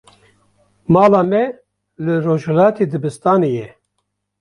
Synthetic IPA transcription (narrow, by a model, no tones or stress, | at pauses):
mɑːlaːmɛ | lɨroːʒhɛlaːt̪ʰeːd̪ɨbɨst̪aːnejɛ